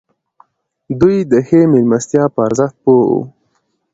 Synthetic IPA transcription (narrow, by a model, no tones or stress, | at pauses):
d̪ujd̪əxemelmast̪jɑːpəaɾzəxt̪̚poṵ